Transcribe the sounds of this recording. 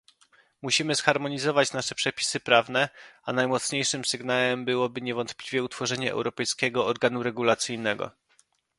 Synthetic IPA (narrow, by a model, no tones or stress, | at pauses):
muɕimɘsxaɾmɔɲizɔvat͡ɕnaʂɛpʂɛpʲi̥sɘpɾavnɛanajmɔt̪sɲejʂɘmsɘɡnawɛmbɘwɔbɘɲɛvɔnt̪plʲivʲjɛut̪fɔʐɛɲɛʔɛ̰wɾɔpɛjskʲɛɡɔɔɾɡanuɾɛɡulat̪sɘjnɛɡɔ̰